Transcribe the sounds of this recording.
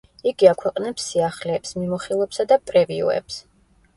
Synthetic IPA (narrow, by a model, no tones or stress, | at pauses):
iɡiakʰwɛqʼnɛpsːiaχlɛːpsmimɔχilˠɛpsad̪apʼɾɛviɔ̰ɛ̰ps